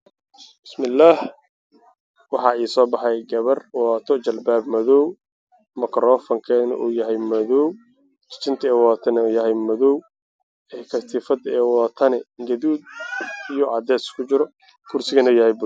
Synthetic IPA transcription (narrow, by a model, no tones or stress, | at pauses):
b̥ɪsmɪlːaːh | wɑħɑːiːsɔːbɑħɑjɡɐβɐrwɔːt̪ʰɔt͡ʃɐlbaːbmɐðɔw | mɐkʰɾɔːfɐŋkʰɛːnɐ̰ʔuːjɐɦɛjmɐðɔw | t͡ʃɪ̥t͡ʃɪnt̪ʰɛːwɔːt̪ʰɐnɛuːjɐɦɛjmɐðɔw | ɛːkʰɐst̪ʰɪfɐd̪ɛːwɔːt̪ʰɐnɛɡɐðuːd̪̚ijɔʕɑd̪ɛːskʰʊt͡ʃɪɾɔ | kʰʊrsɪɣɐnuːjɐhɛjbʊ